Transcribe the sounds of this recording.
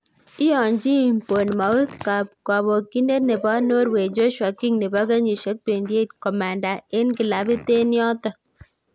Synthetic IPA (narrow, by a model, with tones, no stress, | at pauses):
ɪ˦ɔ˨ɲd͡ʒi˦˨mpo˨nma˨u˦tka˨p̚ka˨bo˨ki˦ne˦tne˨bɔ˦no˦ɾwe˨d͡ʒo˦ʃɔ˨kɪ˦ŋne˨ba˦ɡa˦ɲi˨ʃo˨˦k̚pe˨ndje˦tkɔ˨ma˨nda˨e˦nkɪ˨la˨bɪ˦te˦njɔ˦tɔ˨